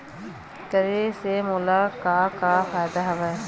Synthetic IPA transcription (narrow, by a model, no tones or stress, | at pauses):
kəɾeːsemulaːkaːkaːfaːd̪aɦɐʋɐ